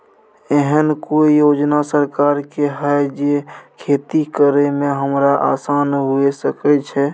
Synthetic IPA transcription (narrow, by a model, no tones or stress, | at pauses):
eɦənkojod͡ʒnasəɾkaɾkeɦəed͡ʒekʰeːt̪ikəɾemẽɦəmɾaʔa̰ːsaːnɦuesəkɛt͡ʃʰɛ